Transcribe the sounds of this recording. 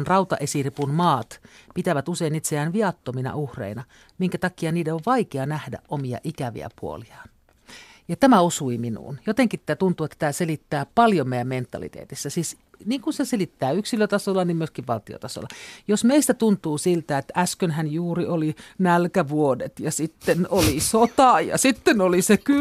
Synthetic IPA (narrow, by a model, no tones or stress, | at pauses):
nrɑut̪ɑ̰ʔesiripunmɑːt̪pit̪æʋæt̪useinit̪seæːnʋiɑt̪ːominɑ̰uhrḛinɑ | miŋkæt̪ɑkiɑniːdeoʋʋɑikeɑnæhdæ̰ʔʔomiɑ̰ʔikæʋḭæ̰puo̰liɑːn | jɑt̪æmæusuiminṵːnjot̪eŋkit̪ːt̪ːæt̪unt̪uːet̪ːæ̥t̪æːselit̪ːæːpɑljomeiæment̪ːɑ̰lḭt̪ḛːt̪isːæsiːs | niːŋkuseselit̪ːæːyksiløt̪ɑsolːɑnimmyøskiʋʋɑlt̪io̰t̪ɑso̰lːɑjosmeist̪æt̪unt̪uːsilt̪æet̪æskønhænjuːriolinælkæʋuodet̪jɑsit̪ːenolisot̪ɑjɑ̰sit̪ːenoliseky